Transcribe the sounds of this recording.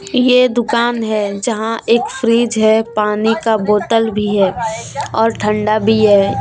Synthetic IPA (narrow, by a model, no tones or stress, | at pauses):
jed̪ʊkaːnɦɛd͡ʒɐɦãʔeːkfɾiːd͡ʒɦɛpaːnikaboːt̪əlbʱiɦɛːɔːɾʈʰə̃ɳɖabʱiɦɛː